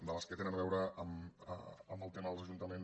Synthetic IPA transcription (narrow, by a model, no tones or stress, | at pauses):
d̪ələskət̪enənβɛwɾəəm̰ | əməlˠt̪eməðəlˠzəʒunt̪əmen